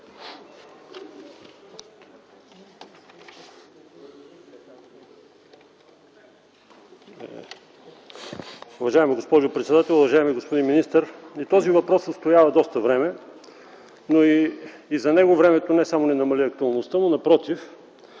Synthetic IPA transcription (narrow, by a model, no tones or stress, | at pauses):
ʊvɐʒaɛmiɡospɔʒʊpɾɛt̪sɛd̪at̪ɛlˠʊvɐʒaɛmiɡospod̪inminist̪əɾit̪ɔzivɐpɾɔsːəst̪ojavɐd̪ɔst̪əvɾɛmɛ | noi | izɐnɛɡovɾɛmɛt̪onɛsamonɛnɐmɐliɐk̚t̪ʊɐlˠnost̪ənonɐpɾɔt̪if